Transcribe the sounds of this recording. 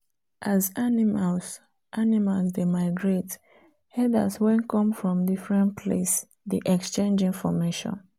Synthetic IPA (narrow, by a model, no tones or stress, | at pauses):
ʔazanimals | ʔanimalsdemaɪɡɹet | hɛda̰swɛ̃nkʰɔ̃mfɹɔ̃mdifɹɛ̃npʰlḛs | diʔɛkst͡ʃẽnd͡ʒĩnfɔmeʃɔ̰̃n